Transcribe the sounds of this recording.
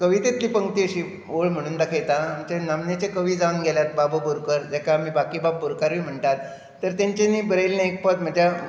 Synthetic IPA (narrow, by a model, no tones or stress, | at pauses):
kəʋit̪et̪liːpəŋɡt̪iəɕiː | ʋoɭm̤əɽ̃uːnd̪akʰajt̪aːmt͡ɕenamnet͡ɕekəʋiːd͡zaŋɡɛljat̪̚babəboɾkəɾd͡ʑakamiːbakiːbab̚boɾkaɾʋiːm̤əɳt̪at̪ː | əɾt̪jaɲt͡ɕeniːbəɾəlnẽek̚pət̪m̤əd͡ʑja